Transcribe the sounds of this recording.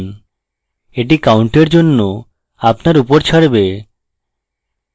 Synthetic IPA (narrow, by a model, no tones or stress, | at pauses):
n | eʈ̬ikawɳʈeɾd͡ʑonːo | apnaɾupoɾt͡ɕʰaɽbe